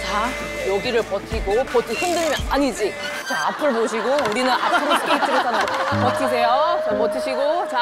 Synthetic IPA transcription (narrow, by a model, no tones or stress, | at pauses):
t͡ɕa | jʌɡiɾɯɭpʌtʰiɡopʌtʰihɯndɯɭmjʌnaɲid͡ʑi | t͡ɕaapʰɯɭboɕ̬ʰiɡouɾinɯnʔa̰pʰɯɾopot͡ɕ͈ʰiɾesʰanadopʌt̚ʰis̬ʰe̞jot͡ɕapʌtʰiɕʰiɡot͡ɕa